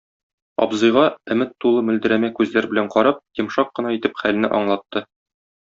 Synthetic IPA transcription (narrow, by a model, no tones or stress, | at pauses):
ɒ̰bzɤ̆jʁɑɵ̆mɘt̪ːulˠɤmɵ̆ld̪ɘ̆ɾæmækʉzlæɾbɘ̆læɴqɒɾɤp̚jɤ̆mʃɑqːɤ̆nɑit̪ɘpχælɘ̆nɘ̰ʔɒ̰ɴlˠɑt̪ːɤ